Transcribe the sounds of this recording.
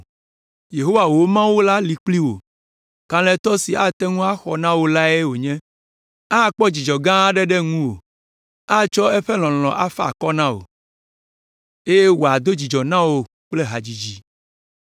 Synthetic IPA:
je˨ɦo˦wa˨wo˦mã˦wu˦la˦li˨k͡pli˦wo̰˨ | kã˨lɛ̃˦t̪ɔ˦si˨a˦t̪ɛ˦ŋũ˦a˦xɔ˨nã˦wo˦la˦e˦wo˨ɲɛ̃˦ | a˦˨k͡pɔ˦d͡ʑi˨d͡ʒɔ˨ɡã˦a˦ɖɛ˦ɖɛ˦ŋũ˦wo̰˨ | a˦t͡ʃɔ˦ɛ˦ɸɛ˦l̃ɔ̃˨l̃ɔ̃˨ʔa˦fa˦a˨kɔ˦nã˦wo̰˨ | e˦je˦wo˨a˨d̪o˦d͡ʑi˨d͡ʒɔ˨nã˦wo˨ | k͡ple˦ɦa˨d͡ʑi˨d͡ʑi˨

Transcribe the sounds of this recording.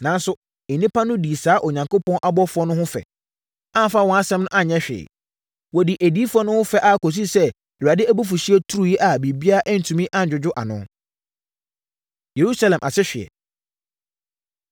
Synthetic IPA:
nã˨n˦sʊ̃˦˨ | nĩ˦pʰa˦nʊ̃˦di˨saː˨˦ʔo˨ɲã˨ŋko˦pɔ̃˦nʔa˨bɔ˦fʊ˦ɔ˦nʊ̃˦hʊ̃˦fɛ̰˨ | ã˦m˨fa˦wɔ̃˨˦a˦sɛ̃˦mnʊ̃˦ʔa˦ɲɛ̃˦ɕᶣɪ̰ː˨ | wɔ˨di˨ʔæ˨diː˦fʊ˦ɔ˦nʊ̃˦hʊ̃˦fɛ˦ʔa˨kʰo˨s̬i˦sɛ˦˨ | a˨dɪ˦æ˦bu˦f̬u˨ɕi˦ɛ˦tʰu˦u˦ji˦ʔa˨bi˨bi˦a˦ʔɛ˦n̩˨tʰũ˨mĩ˦ʔa˦˨d͡ʑᶣʊ˨d͡ʑʊ˦ʔa̰˨nʊ̰̃˦ | je˨ɾu˦sa˦lɛ̃˨mʔa˨sɪ˦ɕᶣɪ˨ɛ̰˨

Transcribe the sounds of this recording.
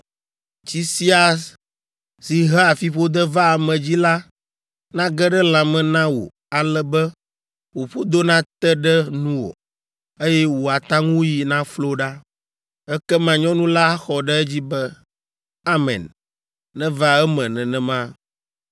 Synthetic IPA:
t͡ʃi˦si˦a˨s | si˨ɦɛ˦a˨fi˦ɸo˦d̪ɛ˦va˦a˨mɛ̃˨d͡ʑi˦la˦ | nã˦ɡɛ˦ɖɛ˦lã˨mɛ̃˨nã˦wo̰˨ | a˨lɛ˦bɛ˦ | wo˨ɸo˦d̪o˦nã˦t̪ɛ˦ɖɛ˦nũ˦wo̰˨ | e˦jɛ˦wo˨a˨t̪ã˦ŋũ˦ji˨nã˦flo˦ɖa˦ | ɛ˦kɛ˦mã˨ɲɔ̃˦nũ˦la˦xɔ˨ɖɛ˦ɛ˦d͡ʑi˦bɛ˦ | a˦mɛ̰̃˨nː | ɛ̃˦va˦ɛ˦mɛ̃˨nɛ̃˨nɛ̃˨mã˦

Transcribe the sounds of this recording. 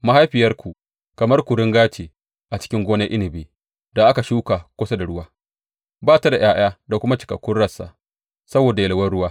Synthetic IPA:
ma˦ha˦jɸɪ˨jɐ˦rkʷu˨ | kɐ˨mɐ˦rkʷu˨ɽɪ˦ŋɡaː˦t͡ʃeː˨ | ʔa˨t͡ʃɪ̥˦kʲɪ˦ŋɡʷoː˦ne˦ʔɪ˦nɪ˨biː˨ | da˨ʔa˦ka˨ʃuː˦kaː˨kʷʊ˦sa˦da˨ɽʊ˦waː˦ | baː˦ta˨da˨j̰ʔaː˦j̰aː˦da˨kʷʊ˦ma˦t͡ʃɪ̥˨kɐ˨kʷːʊ˦nɽɐ˨sa̰˨ | sɐ˦boː˨da˨jɐ˨lɐ˨wɐ˦rɽʊ˦waː˦

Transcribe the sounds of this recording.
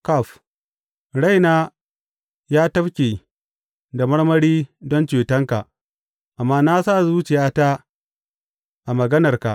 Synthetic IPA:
ka˦˨ɸ | ɽa˦jnaː˦ | jaː˦tɐ˦ɸkʲeː˨ | da˨mɐ˦ɽmɐ˦ɽiː˦dɔ˦nt͡ʃeː˨tɐ˦ŋka˨ʔ | ʔa˨mːaː˦na˦sa˦˨zuː˦t͡ʃɪ˨jaː˦taː˦ | ʔa˨mɐ˨ɡɐ˦nɐ˨rka˨ʔ

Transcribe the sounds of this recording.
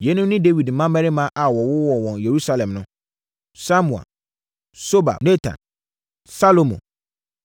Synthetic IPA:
jɛ˨˦nʊ̃˦mnɪ̃˦de˦wi˨dm̩˨˦mã˦mɛ̃˦ɾɪ˦mã˦ʔa˨wɔ˨wʊ˦wɔ˨wɔ̃˨nje˨ɾu˦sa˦lɛ̃˨mnʊ̃˦ | sa˦mũ˨a̰˨ | so˦ba̰˨ne˦tʰã̰˨n | sa˦lo˨mõ̰˨

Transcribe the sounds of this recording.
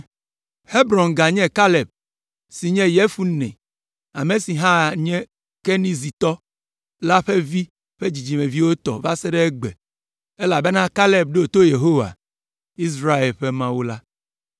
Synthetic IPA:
he˦bɾɔ̃˨nɡa˨ɲɛ̃˦ka˦le˨b̚ | si˨ɲɛ̃˦je˦fu˦nɛ̰̃˨ | a˨me˨si˨ɦã˦˨ɲɛ̃˦ | ke˦nĩ˦zi˨t̪ɔ˦ | la˦ɸe˦vi˦ | ɸe˦d͡ʑi˨d͡ʑi˨mẽ˨vi˦wo˦t̪ɔ̰˨va˦sɛ˦ɖɛ˦ɛ˦ɡ͡bɛ˨ | e˦la˨be˦nã˦ka˦le˨b̚ɖe˦o˨t̪o˦je˨ɦo˦wa̰˨ | i˦s̬ɾa˦e˨lɸe˦mã˦wu˦la˦

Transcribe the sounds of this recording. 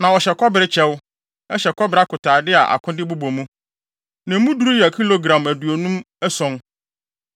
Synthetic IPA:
nã˨ɔ˨ɕɛ˨kʰɔ˦bɪ˨ɾɪ˦t͡ɕʰɛ˦wʊ˦ | ɛ˦ɕɛ˨kʰɔ˦bɪ˨ɾa˦kʰʊ˨tʰaː˨dɪ˦a˨ʔa̰˨kʰʊ̃˦dɪ˦bu˦bõ˨mũ˦ | nã˨m˦mũ˦du˨ɾu˦jkʰi˦lo˦ɡɾã˨mæ˨du˨o˨nũ˦m | ɛ˦sɔ̃˦n

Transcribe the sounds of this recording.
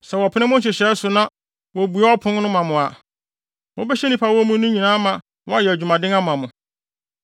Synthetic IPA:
sɛ˨wɔ˨pʰʊ˦nɪ̃˦mʊ̃˦ɕ̬ɛ˨ɕɛ˨˦sʊ˨nã˦ | wɔ˨bu˨a˦ɔ˦pʰʊ̃˦n˦nʊ̃˦mã˨mʊ̃˨a˨ | mʊ̃˦bɛ˦ɕɛ˦nĩ˦pʰa˨wɔ˦mũ˦nũ˦ɲĩ˨nã˦mã˨ | wɔ˦a˦jɛ˨æ˨d͡ʑᶣu˨mã˨dɪ̃˦ŋã˦m̃˨ã˨mʊ̃˨

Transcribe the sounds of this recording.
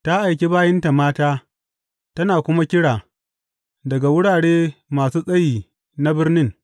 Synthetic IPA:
ta˦ʔa˨jkʲe˦baː˦jɛ˦nta˨maː˦taː˦ | tɐ˦naː˨kʷʊ˦ma˦kʲɪ˦ɽaː˨ | dɐ˨ɡa˨wʊ˦ɽaː˨ɽeː˦maː˨suː˦sʼɐ˦jiː˨ | na˦bɪ˦rnɪ˦ŋ

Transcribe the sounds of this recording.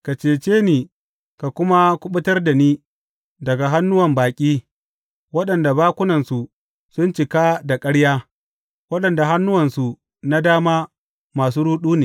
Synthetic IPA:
ka˨t͡ʃeː˨t͡ʃeː˦niː˨ | ka˨kʷʊ˦ma˦kʷʊ˦ɓʊ˦tɐ˦rda˨niː˦ | dɐ˨ɡa˨ɦa˦nːʊ˦wɐ˨mbaː˨kʲʼiː˦ | wɐ˦ɗɐ˨nda˨baː˦kʷʊ˦nɐ˨nsu˨ | sʊ˦nt͡ʃɪ˨ka˦da˨kʼɐ˦ɽjaː˦ | wɐ˦ɗɐ˨nda˨ɦa˦nːʊ˦wɐ˨nsu˨ | na˦daː˦maː˦ | maː˨s̬uː˦ɾuː˦ɗuː˦neː˨

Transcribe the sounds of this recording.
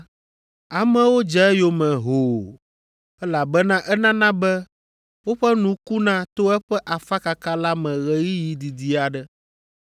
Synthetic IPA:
a˨mɛ̃˦wo˦d͡ʒɛ˨˦jo˨mɛ̃˨ɦo˨ | ɛ˦la˨bɛ˦nã˦ʔɛ˦nã˦nã˦bɛ˦ | wo˦ɸɛ˦nũ˨ku˦nã˦t̪o˦ɛ˦ɸɛ˦ʔa˨fa˦ka˨ka˦la˦mɛ̃˨ɣɛ˨ɣi˦ji˨d̪i˨d̪i˨a˨ɖɛ˦

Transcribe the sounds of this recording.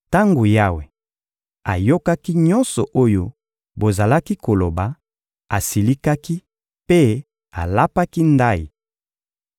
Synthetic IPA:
ta˦ŋɡo˨ja˦we˨ | a˨jo˦ka˦ki˦ɲɔ˦nsɔ˨ʔo˦jo˦ | bo˨za˨la˦ki˦ko˨lo˨ba˨ | a˨si˨li˦ka˦ki˦ | pe˦ | a̰˨la˦pa˦ki˦nda˦ji˨

